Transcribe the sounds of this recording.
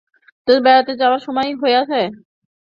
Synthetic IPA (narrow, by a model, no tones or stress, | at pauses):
t̪obɛɾat̪ed͡ʑawaɾʃɔmɔjɦoeat͡ɕʰe